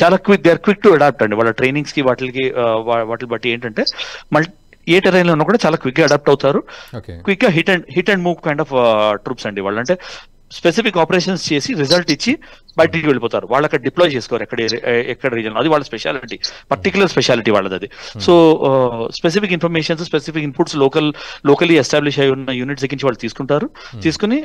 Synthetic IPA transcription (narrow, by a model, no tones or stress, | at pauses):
t͡ʃaːlaːkʋik̚d̪eːɾkʋik̚ʈuɐɽaːp̚ʈɐɳɖiʋaːɭːɐʈɾe̞ːniŋɡskiʋaːʈlɐkiaʋaːʈlbɐʈːieːɳʈɐɳʈe̞ːmɐɭ | eːʈɐɾɐjnleunːɐkuːɽaːt͡ʃaːlaːkʋik̚ɡaːɐɖaːp̚ʈɐwt̪aːɾukkʋikɡaːɦiʈeɳɖɦiʈːeɳɖmuːʋkɐjɳɖaːfʈɾuːpsɐɳɖiʋa̰ːɭːɐɳʈe̞ː | spes̬ipikːaːpɐɾeːʂ̬ɐnst͡ʃe̞ːsiɾizɐlʈit͡ʃːi | bɐːʈ̬iiʋeɭipɔːt̪aːɾuʋaːɭːɐkːɐɽɐɖiploːjt͡ʃe̞ːsu̥kɔʋaɾɛkːɐɽeɛkːɐɽɐɾiːd͡ʒɐnlɐd̪iʋaːɭːɐspɛʃa̰ːliʈipɐɾʈikjulɐɾspɛʃjaːliʈiʋa̰ːɭːɐd̪ɐd̪isoː | spes̬ipik̬inpʰɐɾmeːʂɐns̬spesifikinpʰuʈslɔːkɐlloːkɐliɛsʈaːbliʃɐjunːɐjuːniʈseɡːiɲt͡ʃiʋaːɭːut̪iːsu̥kuɳʈaːɾut̪iːsu̥kuni